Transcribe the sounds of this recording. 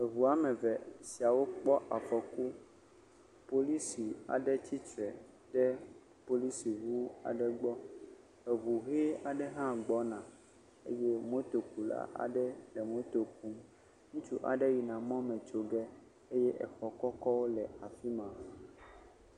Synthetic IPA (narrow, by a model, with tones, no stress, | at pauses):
e˨vu˨a˨mɛ̃˨vɛ˨si˨a˨wo˦k͡pɔ˦ʔa˨fɔ˨ku˦ | po˦li˦si˨a̰˨ɖɛ˦t̪ʰi˦t͡ʃɾɛ˨ | ɖɛ˦ | po˨li˦si˨wu˦a̰˨ɖɛ˨ɡ͡bɔ˦ | e˨vu˨ɦɛ˦a˨ɖɛ˦ɦã˦ɡ͡bɔ˦nã˨ | ḛ˦je˦mõ˦t̪o˨ku˨la̰˦ʔa̰˨ɖɛ˦lɛ˨mõ˦t̪o˨k̚u˦m | ŋũ˦t͡ʃu˦ʔa̰˨ɖe˦ji˨nã˨mɔ̃˦mɛ̃˨t͡ʃo˨ɡɛ˦ | e˦jɛ˦ʔɛ̰˨xɔ˨kɔ˦kɔ˦wo˦lɛ˨a˨fi˦mã˨